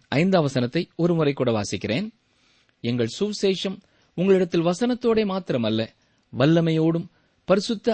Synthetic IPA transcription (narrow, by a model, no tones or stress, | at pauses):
ʔɐɪnd̪ɐʋɐsɐnɐt̪ːɐɪɔɾɯmʊrɐɪkːuːɽɐʋa̰ːsɪkːɪreːn | ɛŋɡɐɭsuːʋseːʂɐm | ʊŋɡɐɭɪɽɐt̪ːɪlʋɐsɐnɐt̪ːoːɽeːmaːt̪ɪɾɐmɐlːɐ | ʋɐlːɐmɐjoːɽɯm | pɐɾɪsɯt̪ːɐ